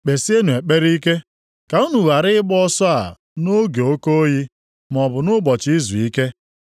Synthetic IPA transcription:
k͡pe˨si˦e˦nu˨e˨k͡pe˦ɾi˦ke˦ | ka˨u˦nu˨ɣa˨ɾɪ˦ɪ˦bɔ˦sɔ˦a˨ | no˦ɡe˨o˦ko˦o˦ji˦ | m˨ɔ˨bʊ˨nʊ˦bɔ˨t͡ʃi˦zu˨i˦ke˦

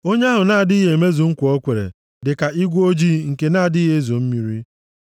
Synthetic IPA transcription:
o˦ɲe˦a˦ɦʊ˨na˦a˨dɪ˦i˦ɦe˨e˨me˦zu˨ŋ̩˦kʷɔ˦kʷe˨ɾḛ˨ | dɪ˨ka˨ʔi˦ɡʷo˦d͡ʒi˦ŋ̩˨ke˨na˦a˨dɪ˦ɦe˦zo˨m̩˦mi˨ɾi˦

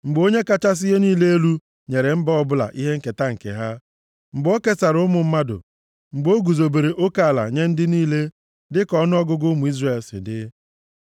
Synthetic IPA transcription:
ŋ͡m̩˨ɡ͡bo˦ɲe˦ka˦t͡ʃa˦s̬ɪ˦je˦niː˦le˦e˦lu˦ | ɲe˨ɾe˨m̩˦ba˦ɔ˦bʊ˦la̰˨ʔi˦ɦe˦ŋ̩˦ke˨ta˦ŋ̩˨kḛ˨ɦa˦ | m̩˨ɡ͡bo˦ke˦sa˨ɾʊ˦mʊ˨m̩˦ma˦dʊ̰˨ | ŋ͡m̩˨ɡ͡bo˦ɡu˨zo˨be˨ɾe˨ʔo˦ka˨la̰˨ɲe˦n̩˦dɪ˦niː˦le˦ | dɪ˦kɔ˦nʊ˦ɔ˦ɡʊ˦ɡʊ˦mʊ˨i˦zre˦˨lsɪ̰˨dɪ˦

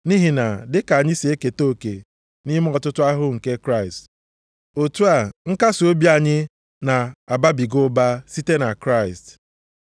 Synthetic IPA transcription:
ni˦ɦi˨na˨dɪ˦ka˨a˨ɲɪ˦si˨e˦ke˨to˦˨kḛ˨ | ni˦m˦ɔ˨tʊ˦tʊ˦a˦ɦʊ˦ŋ̩˨ke˦kɾa˦˨ɪ˨st | o˨tu˦a˨ŋ̩˦ka˦so˦bja˨ɲɪ˦ | na˨a˨ba˦bi˨ɡʊ˦ba˦si˦te˦na˨kɾa˦˨ɪ˨st

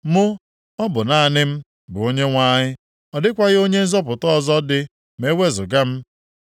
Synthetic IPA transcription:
mʊ˦ | ɔ˦bʊ˨na˨nɪ˦m̩˦ | bʊ˨o˦ɲe˦ŋʷa˦ɲɪ˦ | ɔ˨dɪ˦kʷa˦ɣɪ˦o˦ɲe˦n̩˦zɔ˦p̬ʊ˨tɔ˦˨zɔ˦dɪ˦ | me˦we˦zʊ˨ɡa˦m̩˦

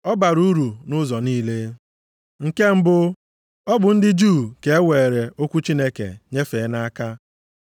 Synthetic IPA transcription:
ɔ˦ba˨ɾu˦ɾu˨nʊ˦zɔ˨niː˦le˦ | ŋ̩˨ke˦m̩˦bʊ˦ | ɔ˦bʊ˨n̩˦dɪ˦d͡ʒuː˦˨ke˨e˦wʷe˨ɾe˨o˦kʷu˦t͡ʃi˦ne˦kḛ˨ɲe˦fe˨˦na˦a˦ka˦

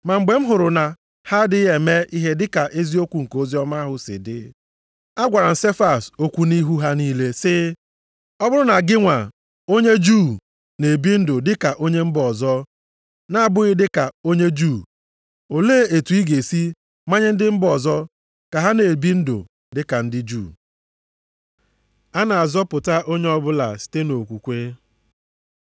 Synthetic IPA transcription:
ma˨ŋ͡m̩˨ɡ͡be˨m̩˦ɦʊ˨ɾʊ˨na˨ | ha˦dɪ˦e˨me˦ʔi˦ɦe˦dɪ˦ka˨ʔe˦zi˦o˦kʷu˨ŋ̩˨ko˦zi˦ɔ˦ma˦ɦʊ˨sɪ̰˨dɪ̰˨ | a˦ɡʷa˨ɾa˨n̩˨se˦fa˦˨so˦kʷu˦ni˦ɦu˦ɦa˦niː˦le˦sɪ˦ | ɔ˦bʊ˦ɾʊ˦na˨ɡɪ˦ŋʷa˨ | o˦ɲe˦d͡ʒu˦˨ | ne˨bi˦n̩˦dʊ˨dɪ˦ka˨ʔo˦ɲe˦m̩˦bɔ˨zɔ˦ | na˦a˦˨bʊ˦ɪ˦dɪ˦ka˨o˦ɲe˦d͡ʒu˦˨ | o˨le˦˨e˨tu˨i˦ɡe˨si˦ | ma˦ɲɪ˦n̩˦dɪ˦m̩˦bɔ˨zɔ˦ | ka˨ɦa˦ne˨bi˦n̩˦do̰˨ | dɪ˦ka˨n̩˦dɪ˦d͡ʒuː˦˨ | a˦na˨a˨zɔ˦pʊ˨ta˦ʔo˦ɲe˦ɔ˦bʊ˦la̰˨si̥˨te˦no˨kʷu˨kʷe˦

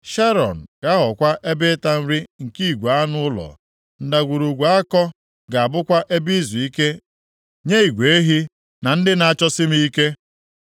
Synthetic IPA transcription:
ʃe˦ɾɔ̰˨n̩˨ɡ̥a˦ɦɔ˨kʷa˦ʔe˦bɪ˦ta˦n̩˦ɾi˦ŋ̩˨ki˦˨ɡʷu˨a˦nʊ˦ʊ˦lɔ̰˨ | n̩˨da˨ɡʷu˨ɾu˨ɡʷa˨˦a˦kɔ˦ | ɡa˨a˨bʊ˦kʷa˦ʔe˦bi˦zu˨i˦ke˦ | ɲe˦i˨ɡʷe˨e˦ɦi˦ | na˨n̩˦dɪ˦na˨a˨t͡ʃɔ˦sɪ˦mi˦i˦ke˦

